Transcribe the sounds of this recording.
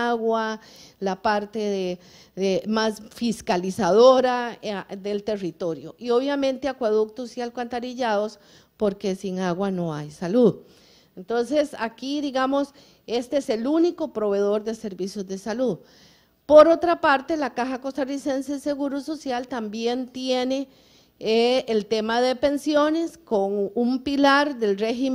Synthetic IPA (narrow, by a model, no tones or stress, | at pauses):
aɣwalapaɾt̪eðe | emasfiskalisaðo̞ɾaðe̞lt̪e̞rit̪o̞ɾjo̰ʔio̞βjamẽ̞nt̪eakwaðuk̚t̪osialkwant̪aɾiʝaðo̞s | po̞ɾkesiŋaɣwano̞ajsaluð | ent̪o̞nsesakiðiɣamos | e̞st̪eeselunikopɾo̞βe̞ð̞o̞ɾd̪e̞se̞ɾbisjo̞zd̪e̞saluð | poɾo̞t̪ɾapaɾt̪e̞lakaxako̞st̪arise̞nsese̞ɣuɾuso̞sjalt̪ambje̞nt̪jene̞ | elt̪e̞maðe̞pe̞nsjo̞ne̞skoŋumpilaɾd̪e̞lrexi